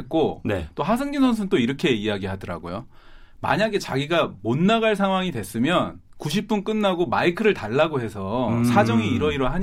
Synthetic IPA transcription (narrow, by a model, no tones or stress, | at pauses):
k͈onḛt͈oɦas̬ʰɯŋɲinsʰʌns̬ʰɯnt͈oiɾʌkʰe̞ijaɡiɦadʌɾa̰ɡo̰jo | ma̰ɲaɡe̞t͡ɕaɡiɡamonːaɣaɭs̬ʰaŋɦwaŋidwe̞s͈ɯmjʌn | kuɕ̬ʰip̚p͈unk͈ɯnːaɡomaikʰɯɾɯɭtaɭːaɡoɦe̞sʰʌsʰad͡ʑʌŋiːɾʌiɾoɦaɲ